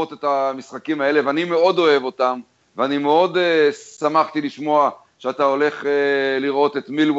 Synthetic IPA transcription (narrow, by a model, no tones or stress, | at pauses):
ot̪et̪amisχakimae̞le̞veanime̞o̞d̪o̞e̞vo̞tam | veanimeo̞d̪esamaχt̪iliʃmo̞a | ʃeatao̞le̞χeliʁo̞t̪e̞t̪milw